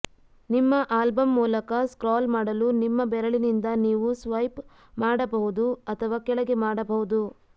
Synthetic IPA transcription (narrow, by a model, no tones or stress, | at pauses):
nimːɐʔaːlbɐmːuːlɐkɐskɾaːlmaːɽɐlunimːɐbɛɾɐɭinind̪ɐniːʋusʋɐjp | maːɽɐbɐɦud̪uɐt̪ʰɐʋaːkɛɭɐɡe̞maːɽɐbɐɦud̪u